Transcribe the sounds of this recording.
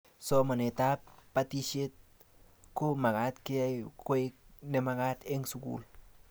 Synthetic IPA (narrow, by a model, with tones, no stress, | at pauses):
so˧ma˨ne˨t̪ap̚ːat̪i˧ʃe˦t̪̚ | ko˦ma˨kat̪ke˦a˦jkwe˦k̚ne˧maɡa˦t̪e˦ŋsukṵ˨l